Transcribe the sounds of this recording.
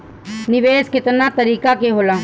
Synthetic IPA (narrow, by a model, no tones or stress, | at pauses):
nɪʋeːskɪt̪nat̪əɾiːkakeɦoːlaː